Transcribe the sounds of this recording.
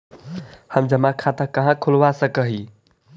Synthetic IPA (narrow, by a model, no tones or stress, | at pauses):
həmd͡ʒəmakʰat̪əkəɦãkʰulʋasəkəɦi